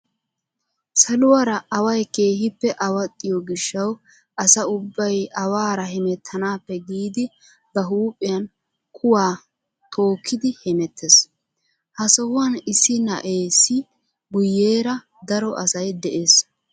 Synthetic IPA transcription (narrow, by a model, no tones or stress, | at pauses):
sɐlʊwɐɾɐɐwɐjke̞ːhɪpːɛʔɐwɐt̪ʼːɪjɔɡɪʃːɐw | ʔɐsɐʊbːɐjɐwaːɾɐɦɛmɛt̪ʰːɐnaːpːɛɡiːd̪ɪ | bɐɦuːpʼːɪjɐn | kʰʊwaː | t̪ʰo̞ːkʰːɪd̪ɪhɛmɛt̪ʰːes | hɐsɔwʊwɐnɪsːɪnɐ̰ʔe̞ːsːɪ | ɡʊjːe̞ːɾɐ | d̪ɐɾɔʔɐsɐjd̪ɛʔe̞ːs